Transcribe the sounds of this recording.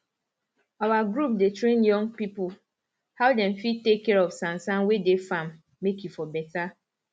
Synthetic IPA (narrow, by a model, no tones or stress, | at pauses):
awaɡɾup̚detɾẽnjɔ̃ŋpipʊ | haʊdɛ̃nfitekːɛɾɔvsãnsãnwedefamː | ekjufɔbɛta